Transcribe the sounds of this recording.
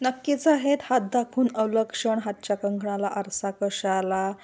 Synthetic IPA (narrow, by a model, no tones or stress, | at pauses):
nəkːit͡saɦet̪hat̪̚d̪akʰuːnəwləkʂəɳɦat̪̚t͡ɕjakəŋɡʱɳalaʔəɾsakəʂala